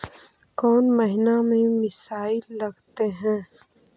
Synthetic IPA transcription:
kɔːnmɐɦɪnamẽmɪsaːɪlːɐɡt̪eɦɛ̃ː

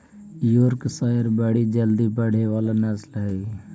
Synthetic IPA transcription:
juɾksaːjəɾbəɽid͡ʒəld̪ibəɽ̤eʋaːlanəslɦɛi

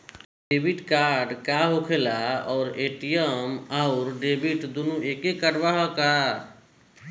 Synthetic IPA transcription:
ɖebʱiʈkaɾɖkaɦokʰelaɔːɾeʈijəmaʊɾɖebiʈd̪onuekekəɖbaɦɔka

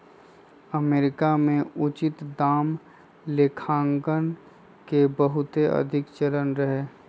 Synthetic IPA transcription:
əmeːɾɪkamẽʊt͡ʃɪt̪d̪aːm | lekʰãːŋɡən | kebəɦʊt̪eʔə̰d̪ʱɪkt͡ʃəɾənɾəɦeː

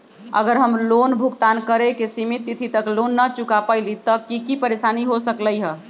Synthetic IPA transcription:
ə̰ɡəɾɦəmlonbʱukt̪ankəɾekesimit̪ːit̪ʰit̪əklonːət͡ʃukapaɪlit̪ɔkikipəɾesaniɦosəkləjɦə

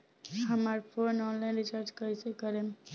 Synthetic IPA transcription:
ɦəmaɾpʰonɔnlajnɖit͡ʃaɾd͡ʒkəjsekəɾem

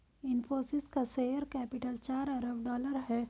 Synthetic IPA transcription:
ɪnfoːsɪskaseːjəɾkɛːpɪʈəlt͡ʃaːɾɐɾəbɖɔːləɾɦɛː

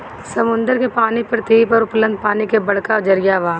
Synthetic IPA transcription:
sɐmʊ̃nd̪əɾkepaːnipɾɾt̪iːpɔɾʊplə̃nd̪̚paːnikebɐɽ̤kad͡ʒɐɾijaʋaː

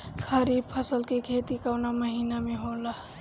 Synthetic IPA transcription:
kʰəɾiːb̚pʰəsəlkekʰet̪ikawnaməɦiːnamẽɦola

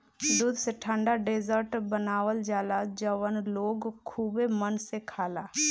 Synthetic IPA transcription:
d̪uːd̪ʱseʈʰãːɳɖaɖeːd͡ʒəɾʈbənaːwəld͡ʒaːlad͡ʒəʋənloːɡkʰuːbemənsekʰaːlaː

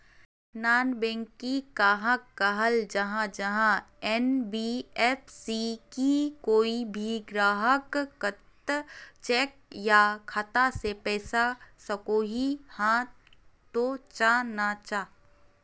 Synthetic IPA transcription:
naːnbɛ̃ːŋkːikaːɦəkːɐɦəld͡ʒɐɦãd͡ʒɐɦãɛnbiɛːp̚ʰsikikoːibʱiɡɾaːɦəkːət̪t͡ʃɛːk̚jakʰat̪asepɛːsasəkoːɦihã | t̪ot͡ʃanat͡ʃaː

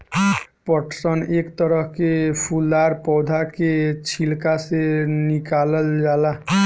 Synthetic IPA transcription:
pɔʈsɔnekt̪ɔɾɔɦkepʰulːaɾpɔwd̪ʱaket͡ʃʰilkasenikaləld͡ʒala

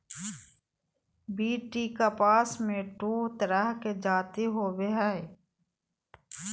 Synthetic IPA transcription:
biːʈikapaːsmẽʈuːt̪əɾəɦked͡ʒaːt̪iɦoːbeɦɛe

